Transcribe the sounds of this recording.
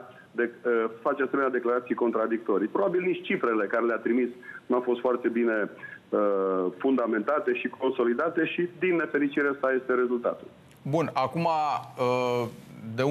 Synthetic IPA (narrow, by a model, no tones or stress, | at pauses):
d̪eəfat͡ʃease̞menʲad̪e̞klaɾat̪sijko̞nt̪ɾad̪ik̚t̪o̞ɾijpɾo̞babilniʃtt͡ʃifɾe̞le̞kaɾe̞leat̪ɾimisnuafo̞st̪foart̪e̞bine̞əfund̪ame̞nt̪at̪e̞ʃikʰo̞nso̞lid̪at̪e̞ʃid̪inːe̞fe̞ɾit͡ʃiɾesaje̞st̪e̞ɾe̞zult̪a̰t̪ul | bunakuma | d̪e